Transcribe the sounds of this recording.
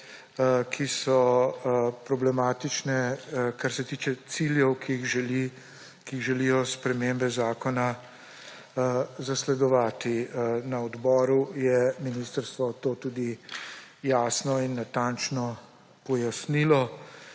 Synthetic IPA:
kʰisɔ | pɾɔblɛmaːt̪it͡ʃnɛkaɾsɛt̪iːt͡ʃɛt̪siljɛwkixʒli | kiiɣʒɛlijɔspɾɛmeːmbɛzaːkɔna | zaslɛd̪ɔʋaːt̪inaɔd̪bɔːɾujɛminist̪əɾst̪ʋɔt̪oːt̪uːd̪i | jaːsnɔinːat̪ant͡ʃnɔ | pɔjasnilɔ

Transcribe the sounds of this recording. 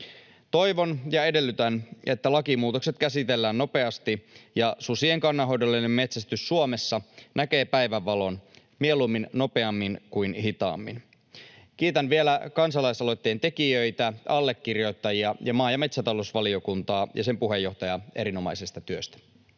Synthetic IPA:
t̪o̞jʋo̞njɑe̞delːyt̪æne̞t̪ːælɑkimuːt̪o̞kse̞t̪kæsit̪e̞lːæːnːo̞pe̞ɑst̪ijɑsusieŋkɑnːɑɦo̞jdolːenːemme̞t̪sæst̪ysːuome̞sːɑnæk̟e̞ːpæjʋæʋːɑlo̞n | mie̞lumːinno̞pe̞ɑmːinkujnɦit̪ɑ̰ːmːḭn | k̟iːt̪ænʋie̞lækɑnsɑlɑisɑlo̞jt̪ːejːnt̪e̞kiøjt̪æɑlːe̞kːirjo̞jt̪ːɑjiɑjɑmɑːjɑme̞t̪sæt̪ɑlo̞usʋɑlio̞kunt̪ɑːjɑ̰se̞mpuɦe̞jːo̞ht̪ɑjɑe̞̰ɾino̞mɑjsest̪ɑt̪yøst̪æ̥

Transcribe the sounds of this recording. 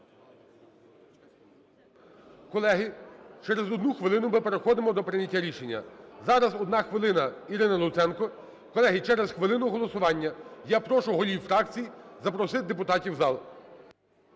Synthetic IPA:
kɔlˠɛɦɪt͡ʃɛɾezɔd̪nuxʋɪlˠɪnʊmɪpeɾexɔd̪ɪmɔd̪ɔpɾɪnʲɐtʲːaɾʲiʃenʲːɐ̰zɑɾɐzɔd̪nɑxʋɪlˠɪnɐiɾɪnɐlˠʊt̪sɛnkɔ | kɔlˠɛɦɪt͡ʃɛɾezxʋɪlˠɪnʊɦɔlˠɔsʊʋɑnʲːɐjapɾɔʃʊɦɔlʲiwfɾɑkt͡sʲijzɐpɾɔsɪt̪̚d̪epʊt̪ɑtʲiwzɑlˠ

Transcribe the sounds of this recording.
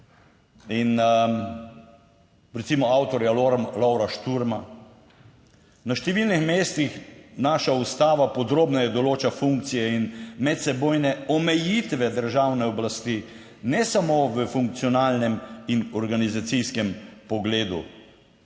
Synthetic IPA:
in | ɾɛt̪simɔawt̪ɔɾjaɾlɔwɾaʃt̪uɾma | naʃt̪ɛʋilnixmeːst̪ixnaʃaust̪aːʋapɔd̪ɾoːbnajɛd̪ɔloːt͡ʃafuŋk̚t̪sijɛinmɛt̪sɛbojnɛɔmɛjit̪ʋɛd̪əɾʒawnɛɔblast̪i | nɛsamoːʋəfuŋk̚t̪sijɔnaːlnɛminɔɾɡanizat̪siskɛmpɔɡleːd̪ṵ

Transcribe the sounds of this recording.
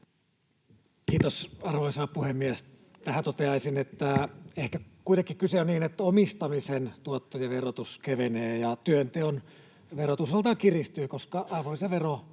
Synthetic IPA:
kiːt̪osɑrʋoisɑːpuhemːies | t̪æhænt̪ot̪eɑisinet̪ːæehkækuit̪ekːikkyseonniːnet̪ːæomist̪ɑmisent̪uot̪ːojɑʋerot̪uskeʋeneːjɑt̪yønt̪eon | ʋerot̪uselt̪ɑkirist̪yːkoskɑɑiʋoseʋero

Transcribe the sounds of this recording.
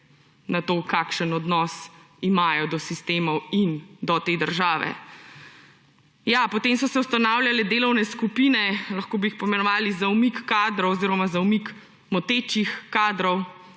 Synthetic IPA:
nat̪oːkaːkʃənɔd̪nɔs | imaːjɔd̪ɔsist̪eːmɔwind̪ɔt̪eːd̪əɾʒaːʋɛ̰ | japɔt̪eːmsɔsɛwst̪anawljalɛd̪eːlɔwnɛskupiːnɛlɐxkoːbiixpɔimɛnɔʋaːlizaumikːaːd̪ɾɔwɔziɾɔmazaumik | mɔt̪eːt͡ʃixkaːd̪ɾɔw

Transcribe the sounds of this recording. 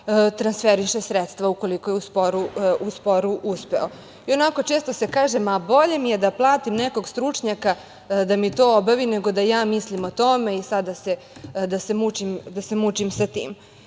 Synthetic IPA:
t̪ɾansfeɾiʃesɾet̪st̪ʋaukoliko̞jeuspoɾuuspo̞ɾuʔuspeo̞ | io̞nako̞t͡ʃe̞ːst̪o̞se̞kaːʒemabo̞ʎemijed̪aplˠaːt̪imneko̞ɡst̪ɾut͡ʂɲaka | d̪amit̪o̞ːobaʋineɡo̞d̪ajaːmislimot̪o̞me̞isad̪ːase | d̪ase̞mut͡ʃimd̪asemut͡ʃimsat̪ḭːm

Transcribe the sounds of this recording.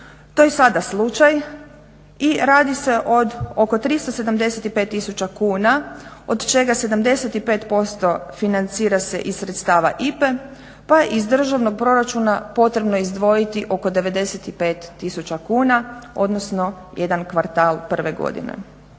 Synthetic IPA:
t̪o̞jesad̪aslˠut͡ʃaj | iɾaːd̪ise̞ʔo̞d̪o̞ko̞t̪ɾist̪ose̞d̪amd̪e̞set̪ipe̞ːt̪ːisut͡ʃakuːnao̰d̪t͡ʃe̞ɡase̞d̪amd̪e̞se̞t̪ipeːt̪po̞st̪o̞finant̪siːɾase̞̰ʔissɾet̪st̪aːʋa̰ʔipe̞ | pajeʔizd̪r̩ʒaʋno̞ɡ̚pɾo̞ɾat͡ʃunapo̞t̪ɾe̞bnoizd̪ʋo̞jit̪iʔo̞ko̞d̪e̞ʋe̞d̪e̞set̪ipe̞ːt̪ːisut͡ʃakuːnao̞̰d̪no̞sno̞ | je̞d̪ankʋaɾt̪aːlˠpr̩ʋe̞ɡo̰d̪ḭnḛ

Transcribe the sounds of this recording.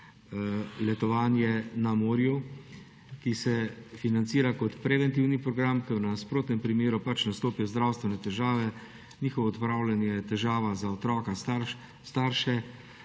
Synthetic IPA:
lɛt̪ɔʋaːnjɛnamoːɾju | kisɛfinant̪siːɾakɔt̪pɾɛʋɛnt̪iwnipɾɔɡɾamkənaaspɾoːt̪nɛmpɾimeːɾupat͡ʃnast̪oːpijɔzd̪ɾawst̪ʋɛnɛt̪ɛʒaːʋɛ | niːxɔʋɔːt̪pɾawlanjɛt̪ɛʒaːʋazaɔt̪ɾɔːkast̪aɾ | st̪aɾʃɛ

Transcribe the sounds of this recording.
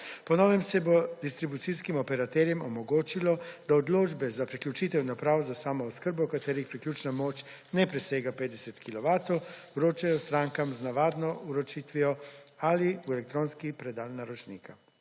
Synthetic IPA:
pɔnɔːʋɛmsɛbod̪ist̪ɾibut̪siskimɔpɛɾat̪ɛɾjɛmɔmɔɡoːt͡ʃilɔd̪̥aɔd̪loːd͡ʒbɛzapɾiklʲjut͡ʃiːt̪ɛwnapɾaːwɔzasaːmɔɔskəɾbɔkat̪eːɾixpɾiklʲuːt͡ʃnamoːt͡ʃ | nɛpɾɛseːɡapeːd̪d̪ɛsɛt̪kilɔʋaːt̪ɔwuɾoːt͡ʃajɔst̪ɾaːŋkamznaʋaːd̪nɔuɾɔt͡ʃiːt̪ʋijɔ | aliuɛlɛk̚t̪ɾoːnskipɾɛd̪aːlnaɾɔt͡ʃnḭːka

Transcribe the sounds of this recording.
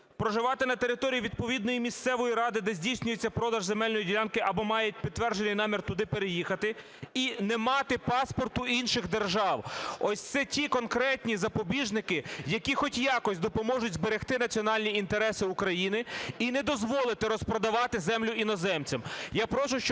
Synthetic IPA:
pɾɔʒɪʋɑt̪ɪnɐt̪eɾɪt̪ɔɾʲijiʋʲid̪̚pɔʋʲid̪nɔjimʲist̪sɛʋɔjiɾɑd̪ɪd̪ɛzʲdʲijsʲnʲʊjet͡sʲːɐpɾɔd̪ɐʒzemɛlʲnɔjidʲilʲɑnkɪʔɐbɔmɑjʊt̚ʲpʲid̪ːʋɛrd͡ʒenɪjnɑmʲirt̪ʊd̪ɪpeɾejixɐt̪ɪ | inɛmɑt̪ɪpɑspɔrt̪ʊinʃɪɣd̪erʒɑwɔsʲt̪sɛtʲikɔnkɾɛt̪ʲnʲizɐpɔbʲiʒnɪkɪjɐkʲixɔtʲjɑkɔsʲd̪ɔpɔmɔʒʊdʲzbeɾext̪ɪnɐt͡sʲiɔnɑlʲnʲiint̪eɾɛsɪukɾɐjinɪinɛd̪ɔzʋɔlˠɪt̪ɪɾɔspɾɔd̪ɐʋɑt̪ɪzɛmlʲʊʔinɔzɛmt͡sʲɐmjapɾɔʃʊʃt͡ʃ

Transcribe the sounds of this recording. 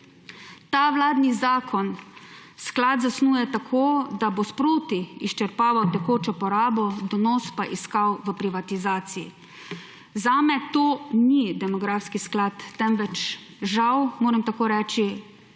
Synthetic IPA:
t̪aːʋlaːd̪nizaːkʰɔnsklaːd̪zasnuːjɛt̪akʰoːd̪abospɾoːt̪iist͡ʃɛɾpaːʋawt̪ɛkoːt͡ʃɔpɔɾaːbɔd̪ɔnɔːspaʔiskawʋəpɾiʋat̪izaːt̪sijḭ | zaːmɛt̪oːnid̪ɛmɔɡɾaːfskisklat̪ːɛmʋɛt͡ʃ | ʒawmoːɾɛmt̪akoːɾɛːt͡ʃi

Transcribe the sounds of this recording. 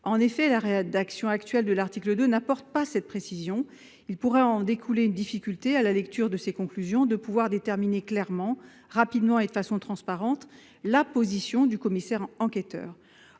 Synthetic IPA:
ɑ̃nefɛlaʁed̪aksjɔ̃akt̪ɥɛld̪əlaʁt̪ikləd̪ønapɔʁt̪̚pasɛt̪̚pχesizjɔ̃ | ilpuʁɛɑ̃d̪ekʰuleynd̪ifikʲylt̪ealalɛkt̪yʁd̪əsekɔ̃klyzjɔ̃d̪əpuvwaʁd̪et̪ɛʁmineklɛʁmɑ̃ | ʁapid̪mɑ̃ed̪əfasɔ̃t̪χɑ̃spaʁɑ̃t̪ | lapozisjɔ̃d̪ykɔmisɛʁɑ̃ket̪œ̰ːʁ

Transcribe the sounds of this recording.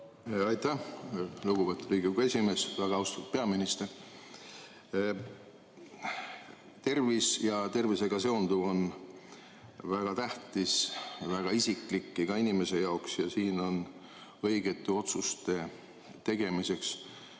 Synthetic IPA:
ɑjt̪æluɡ̥upe̞t̪ːˑuɾiːɡiɡe̞sʲime̞svæɡ̥ɑɑust̪ut̪pe̞ɑminist̪e̞r | t̪e̞rvisjɑt̪e̞rvise̞ɡɑse̞ond̪uvo̞n | væɡ̥ɑt̪æht̪isvæɡ̥ɑisikˑlikːiɡ̥ɑinime̞se̞jɑoksjɑsiːno̞n | ɤjɡe̞t̪ːˑeo̞t̪sust̪e̞ | t̪e̞ɡ̥e̞mise̞ks

